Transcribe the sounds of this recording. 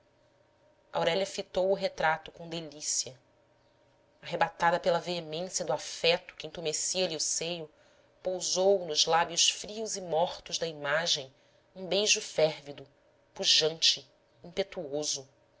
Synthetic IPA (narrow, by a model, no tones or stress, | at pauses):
ɐ̰awɾɛlʲɐfit̪owʊɦet̪ɾat̪ʊkõd̪elisiɐ | aɦebat̪ad̪ɐpelɐveemẽsjɐd̪ʊafɛt̪ʊ̥kɪĩt̪umesiɐliʊsejʊ | powzownʊzlabjʊʃfɾiʊzɪmɔχt̪ʊʒd̪ɐimaʒẽj̃ | ũbejʒʊfɛɾvid̪ʊ | puʒɐ̃nt͡ʃɪ | ĩpet̪uozʊ